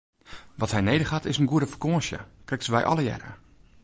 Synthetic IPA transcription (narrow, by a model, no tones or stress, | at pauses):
ʋɔtɦɛjnejdəχatɪsənɡuəɾəfəkoːʃjə̰krɛktsəʋɛjʔɔ̰lˠəjɛ̰rə̰